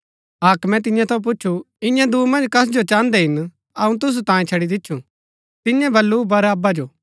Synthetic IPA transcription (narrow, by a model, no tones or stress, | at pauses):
ɦaːkmɛ̃t̪̬ɪ̃jãt̪ʰɐ̃p̬ʊt͡ʃːʃʰu | ɪ̃jãd̪uːmɐ̃nd͡ʒkɐs̬d͡ʒot͡ʃãːnd̪ɛɦɪn | ɐũt̪̬ʊs̬ut̪ãːĩt͡ʃʰɐɽid̪ɪtːʃʰũ | t̪ɪjãbʱɐlːubɐɾɐbad͡ʒoː